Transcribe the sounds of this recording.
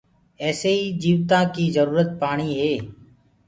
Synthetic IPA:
ɛːseːiːd͡ʒiːʋt̪ãːkiːzəɾuːɾət̪̚paːɳ̃iːɦeː

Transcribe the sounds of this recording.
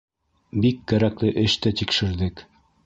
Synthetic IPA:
bikːæɾæklɘʔɘ̆ʃt̪æt̪ikʃɘ̆ɾðɘk

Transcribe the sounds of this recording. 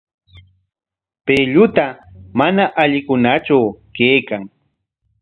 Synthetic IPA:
peʎʊt̪amanaʔaʎɪkʊnat͡ʃawkeːkaŋ

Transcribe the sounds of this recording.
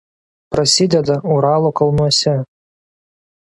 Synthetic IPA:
pɾɐsʲid̪ʲɛd̪ɐuɾɑːlˠoːkɐlˠnuɔsʲɛ

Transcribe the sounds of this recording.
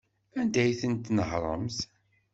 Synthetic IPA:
ænd̪æjθənt̪nəhɾˤə̰mθ

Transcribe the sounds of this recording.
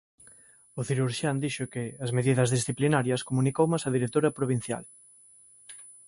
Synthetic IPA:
ʊθiɾuɾʃjand̪iʃʊkɪɐzmeðiðɐzðisθiplinaɾjɐskomunikowmasɐðiɾet̪oɾɐpɾoβ̞in̟θja̰l

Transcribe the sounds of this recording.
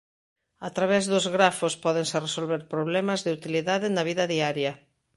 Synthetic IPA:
at̪ɾaβɛzðʊzɣɾafʊspɔðeŋseresolβeɾpɾoβ̞lɛmɐzðɪut̪iliðaðɪnɐβiðɐðiaɾjɐ

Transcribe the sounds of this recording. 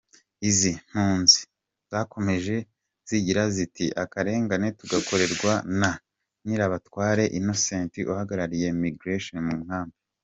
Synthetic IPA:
izin̥huːnzi̥ | z̥ako̞me̞ʒe̞ | z̥iɟiɾazitiʔakaɾe̞ːŋɡane̞tuɡako̞ɾe̞ɾɡwana | niɾaβatwaːɾe̞ʔino̞sentiʔuhaɡaɾaɾije̞miɡɾeʃonmumhaːmbo

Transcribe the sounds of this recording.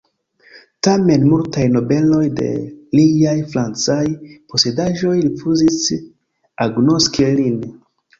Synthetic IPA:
tame̞nmultajno̞be̞lo̞jde̞̰lijajfɾant͡sajpo̞se̞daʒo̞jɾifuzis | aɡno̞skilin

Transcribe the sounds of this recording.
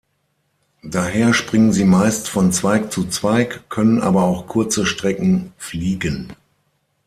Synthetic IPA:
d̥aːɦeːɐʃpʁ̥ɪŋənziːmaɪstfɔnt͡sv̥aɪk̚t͡sut͡sv̥aɪkʰːœnənʔa̰ːbɐaʊxkʰʊɐt͡səʃtʁ̥ɛkŋ̩fliːɡən

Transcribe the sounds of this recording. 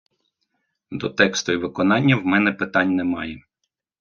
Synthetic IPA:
d̪ɔt̪ɛkst̪ʊiʋɪkɔnɑnʲːɐwmɛnɛpɪt̪ɑnʲnɛmɑje

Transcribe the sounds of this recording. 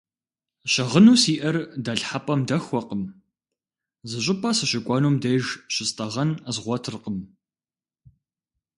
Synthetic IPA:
ɕɐʁənuːsiːʔɐrdɐɬħapʼɐmdɐxʷɔqəm | zɨɕ̬ʼɪpʰʼɐsɨɕɪkʷʼɑːnuːmdɐjʒɕɪstʼɐʁɐnzʁʷɔtʰɨrqəm

